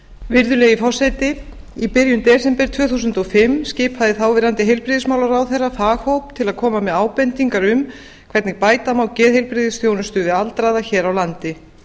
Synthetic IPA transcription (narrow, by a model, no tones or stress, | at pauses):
vɪɾðʏlɛːɣifɔasɛjt̪ɪ | ipɪɾjʏnt̪ɛːsɛmpɛɾt̪ʰvœːθuːsʏnt̪ɔfɪmːscɪːphaðɪθaːwvɪɾant̪ɪɦejlpɾɪðɪsmaːwlaɾawθejrːafaːɣhowpt̪ʰɪlaðkʰɔːmamɛðaːwpɛnt̪iŋkaɾʏm | kʰvɛɾt̪nɪɣpaːjt̪amawcɛːðhejlpɾɪðɪsθjownʏst̪ʏðɪalt̪ɾaːðaçɛːɾawlant̪ɪ